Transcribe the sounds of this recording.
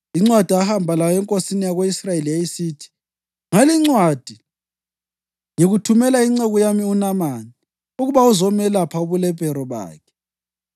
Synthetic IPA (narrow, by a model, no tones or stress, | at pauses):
iŋ͡ǀwad̥ʱiahambʱalajɔɛŋkʼosinijaɣweisrajeliaisiːtʰi̥ | ŋaliŋ͡ǀwad̥ʱi | ŋeɣutʰumɛlaiŋ͡ǀɛɣɔjamiunamani | uɣuβauzɔmɛlapʰauβulɛpʼɛɾɔβa̰ːkʰɛ̥